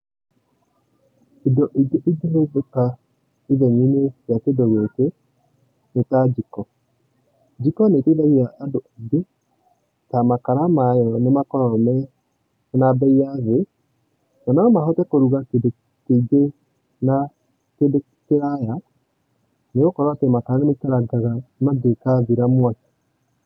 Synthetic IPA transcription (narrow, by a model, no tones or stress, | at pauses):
edɔʔiɡeʔeɡenoboka | iðɛɲineɾjakedɔɣwete | netad͡ʒikɔ | d͡ʒikɔneteðaɣiaʔːdoaɡe | tamakaɾamajɔnemakɔɾɔmɛ | nabɛiaðe | ɔnaɔmahɔtɛkoɾuɣak | keɡe | na | ked | keɾaja | neɣokɔɾwatemakaɾanemekaɾaɡaɣamaɡekaðiɾamwat͡ʃi̥